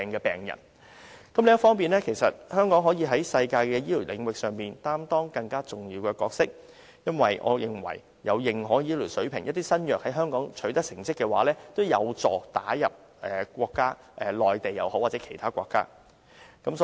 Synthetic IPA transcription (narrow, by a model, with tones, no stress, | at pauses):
ɛː˨ŋkɛ˧pɛː˨˩ŋjɐ̰˨˩n | kɐ˨˥mlɪ˨˧ŋɐ˥tfɔː˥ŋpiː˨nlɛː˥kʰe˨˩jsɐ˨t̚hœː˥ŋkɔː˨˥ŋɦɔː˨˥jiː˨˧ɦɐ˨˥jsɐ˧jkaː˧jkɛː˧jiː˥li˨˩lɪ˨˧ŋwɪ˨k̚sœː˨ŋpiː˨˩nt̪aː˥mt̪ɔː˥ŋkɐ˧ŋkaː˥t͡sʊ˨ŋjiː˧wkɛː˧kɔː˧k̚sɪ˥k̚ | jɐ˥nwɐ˨jʔɔ̰ː˨˧jɪ˨˩ŋwɐ̰˨˩j | jɐ̰˨˧wjɪ˨ŋɦɔː˨˥jiː˨˥li˨˩sɵ˨˥ɥpʰɪ˨˩ŋjɐ˥t̪iː˥sɐ˥njœː˨k̚hɐ˨˥jɦœː˥ŋkɔː˨˥ŋt͡ʃʰɵ˨˥ɥt̪ɐ˥k̚sɪ˨˩ŋt͡sɪ˥kːɛ˧wa̰ː˨˥lɛː˥t̪o˥wjɐ˨˧wt͡sɔː˨˩t̪aː˨˥jɐ˨p̚ | ʔɛː˨kʷɔː˧kːaː˥ | ʔɛː˨˩lɔː˨˩jt̪e˨jːɐ˨˧who˨˥waː˨˩t͡sɛ˨˥kʰe˨˩jt̪ʰaː˥kʷwɔː˧kːa̰ː˥ | kɐ˨˥msɔ˦